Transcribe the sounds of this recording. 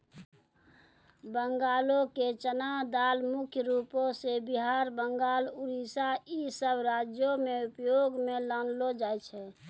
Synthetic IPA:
bəŋɡaːloket͡ʃənad̪aːlmʊkʰjəɾupõsebiɦaɾbəŋɡaːluɾisaisəbɾad͡ʒjomeupjoɡmelanlod͡ʒaːɛt͡ʃʰɛ

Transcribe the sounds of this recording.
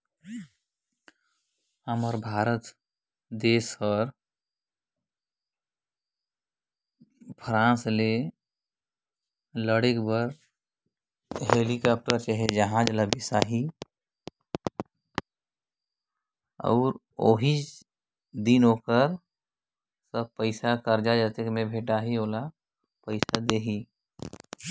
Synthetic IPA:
əməɾbʱaːɾət̪ | d̪eːsəɾ | pʰɾãːsle | ləɽekbəɾ | ɦeːlikaːp̚ʈəɾt͡ʃaɦed͡ʒəɦãːd͡ʒlabɪsaɦi | ɔ̰ːɾ | oːɦi | d̪inoːkəɾ | səb̚pəɪsakəɾd͡ʒad͡ʒat̪ekmẽbʱeːʈaɦioːla | pəɪsad̪eːɦi

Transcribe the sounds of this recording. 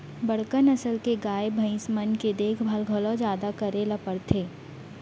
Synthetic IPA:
bɐɽkənɐsəlkeɡaːebʱɐ̃ɪ̃smənked̪eːkʰbʱaːlɡʱolõd͡ʒjaːd̪akɐɾelɐpəɽt̪ʰeː

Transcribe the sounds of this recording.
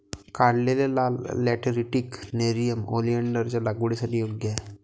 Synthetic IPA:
kaɽlelelalɛʈɾiʈikneɾijəmo̰lijəɳɖəɾt͡ɕjalaɡʋuɽesaʈiːjoɡjəɛ

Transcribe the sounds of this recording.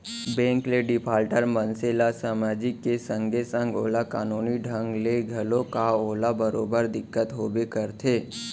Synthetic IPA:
bɛ̃ːŋkleɖɪpʰaːlʈəɾmə̃nseːlasaːmaːd͡ʒɪkːesə̃ŋɡʱesə̃ŋɡoːlakaːnuːniɖʱə̃ŋɡleɡʱɐlõkaoːlabəɾoːbəɾd̪ɪkːət̪ɦoːbekəɾt̪ʰeː

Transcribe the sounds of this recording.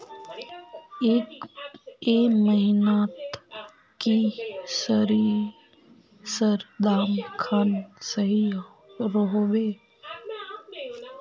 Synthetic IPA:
eːk | eməɦɪnaːt̪ | kisəɾiɾ | səɾd̪aːmkʰaːnsəɦi | ɾəɦoʋeː

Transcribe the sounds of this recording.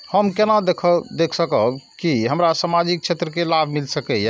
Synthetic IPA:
həmkenad̪ekʰəd̪ekʰsəkəbkiɦəmɾasamad͡ʒik̚t͡ʃʰet̪ɾəkelabʱmilsəkɛjɛ

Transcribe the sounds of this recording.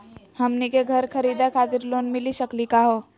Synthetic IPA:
hɐmnikeɡʱɐɾkʰɐɾiːd̪akʰaːt̪ɪɾloːnmɪliʃɐklikaɦoː

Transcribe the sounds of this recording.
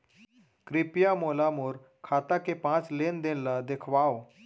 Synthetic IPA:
kɾipjamolamuːɾ | kʰat̪akepãt͡slend̪enlad̪ekʰʋao

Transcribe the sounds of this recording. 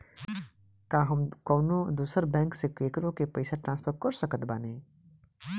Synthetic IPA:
kaːɦɐmkɔːnõd̪uːsəɾbɛ̃ːŋksekeːkɾõkepɐɪsaʈɾãːspʰəɾkɐɾsəkət̪baːnẽː

